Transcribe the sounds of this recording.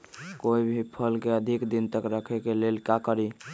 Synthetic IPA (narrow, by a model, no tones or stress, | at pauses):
koibʱipʰəlkeəd̪ʱikd̪int̪əkɾəkʰɛkelelkakəɾi